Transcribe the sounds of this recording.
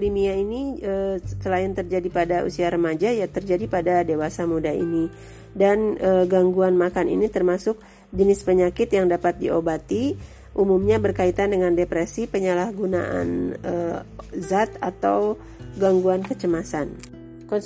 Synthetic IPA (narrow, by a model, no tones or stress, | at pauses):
limiainiəsəlaɪnt̪ərd͡ʒadipadaʔṵsiaɾəmad͡ʒajat̪ərd͡ʒadipadadewasamudaḭni | danʔəɡaŋɡuanmakanḭnit̪ərmasʊk̚ | d͡ʒənɪspəɲakɪt̪jaŋdapat̪̚diobat̪i | ʔumumɲabərkait̪andəŋandepɾɛsipəɲalahɡuna̰ʔa̰nəzat̪at̪aw | ɡaŋɡuankət͡ʃəmasan | kɔn